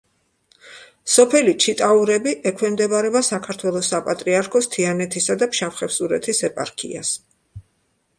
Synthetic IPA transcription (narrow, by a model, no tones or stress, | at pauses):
sɔpʰɛlit͡ʃʰit̪ʼauɾɛbiʔɛkʰwɛmd̪ɛbaɾɛbasakʰaɾt̪ʰwɛlˠɔsapʼat̪ʼɾiaɾkʰɔst̪ʰianɛt̪ʰisad̪apʰʃapχɛpsuɾɛ̰t̪ʰisɛpʼa̰ɾkʰḭa̰s